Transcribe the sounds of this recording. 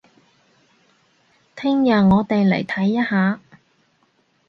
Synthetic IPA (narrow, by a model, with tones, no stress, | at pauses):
t̪ʰɪ˥ŋjɐ˨ŋɔː˨˧t̪e˨jlḛ˨˩jt̪ʰɐ˨˥jːɐ˥haː˨˧